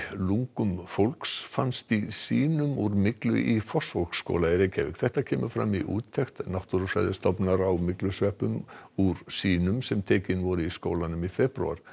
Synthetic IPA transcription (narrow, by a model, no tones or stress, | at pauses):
luŋkʏmfowlksfanst̪isiːnʏmuɾmɪklʏ̰ʔifɔ̥sfolksːko̰ːwlaɪɾecʰavɪ̰kθɛht̪acʰɛːmʏfɾa̰mːiʔṵːt̪ʰːɛxt̪nawht̪uɾfɾa̰jðɪst̪ɔpnaɾawmɪklʏsœːhpʏmuɾsiːnʏmsɛmt̪ʰeːcɪnvɔɾʏiskoːwlanʏmifɛpɾṵa̰ɾ̥